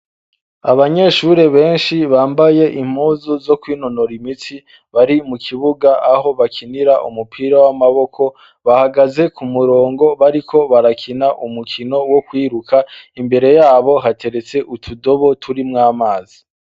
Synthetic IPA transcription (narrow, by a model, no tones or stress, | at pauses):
aβaɲe̞ʃuɾe̞βe̞ːnʃiβaːmbaje̞ʔim̥huːzuzo̞kwiːno̞noɾimiti | βaɾimukʰiβuɡaʔaɦo̞βakʰiniɾaʔumupʰiːɾawamaβo̞kʰo̞ | βahaɡaze̞kumuɾo̞ːŋɡo̞βaɾikʰo̞βaɾakʰinaʔumukʰino̞wokwiːɾukʰaimbe̞ɾe̞jaːβo̞ɦatʰe̞ɾe̞t͡se̞ʔutʰudo̞βo̞tʰuɾimŋaːmaːzi